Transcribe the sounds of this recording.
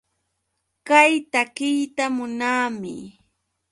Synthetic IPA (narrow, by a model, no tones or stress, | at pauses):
kajt̪akɪjt̪amʊnaːmɪ̰